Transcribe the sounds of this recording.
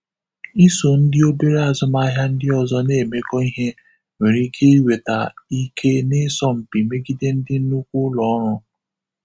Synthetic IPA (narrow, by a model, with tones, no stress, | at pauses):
i˦so˨n̩˦dɪ˦o˦be˦ɾa˨zʊ˦ma˦ɦja˦n̩˦dɪ˦ɔ˨zɔ˦ne˦˨me˦kɔ˦i˦ɦe˦ | we˨ɾi˦kʰe˦i˦we˨ta˨i˦kʰe˦nɪ˦sɔ˦m̩˨pi˨me˦ɡi˦de˦n̩˦dɪ˦n̩˦nu˦kʷʊ˦lɔ˨˦ɾʊ˦